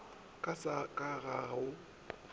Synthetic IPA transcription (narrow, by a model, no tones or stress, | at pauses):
kʼasakʼaɣaʊ